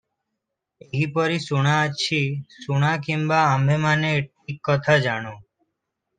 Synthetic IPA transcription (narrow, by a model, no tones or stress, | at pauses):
eɦipəɾisuɽ̃ãət͡ʃʰiːsuɽ̃ãkimbaːmbemaneːʈ̚iːkːɔt̪ʰad͡ʒaːɽ̃õː